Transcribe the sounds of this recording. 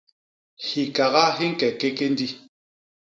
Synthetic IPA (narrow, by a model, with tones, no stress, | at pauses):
hi˨ka˨ɣa˦ɦi˦ŋ̩˦kɛ˨ke˦ke˦n˦di˦